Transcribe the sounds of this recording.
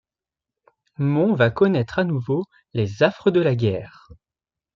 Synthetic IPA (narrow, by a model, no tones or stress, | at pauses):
mɔ̃vakɔnɛt̪χanuvo | lezafχəd̪əlaɡʲɛːʁ